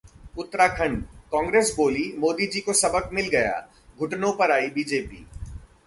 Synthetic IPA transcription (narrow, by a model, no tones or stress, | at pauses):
ʊt̪ːɾaːkʰɐ̃ɳɖkɔ̃ːŋɡɾeːsboːlimoːd̪id͡ʒiːkosɐbəkmɪlɡɐja̰ː | ɡʱʊʈnõpɐɾaːibiːd͡ʒeːpḭː